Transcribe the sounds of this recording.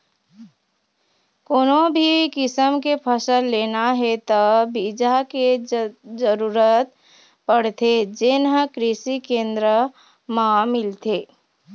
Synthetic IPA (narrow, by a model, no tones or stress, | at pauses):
koːnõbʱikɪsəmkepʰəsəlːeːnaɦɛt̪əbid͡ʒaked͡ʒəɾuːɾət̪ | pəɽ̤t̪ed͡ʒɪnɦə̃kɾɪsikẽːnd̪ɾə | mãmɪlt̪eː